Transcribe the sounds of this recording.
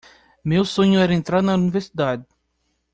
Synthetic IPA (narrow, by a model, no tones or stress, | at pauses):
mewsõɲʊɛɾɐẽnt̪ɾaɾnɐuniveɾsid̪ad̪ɪ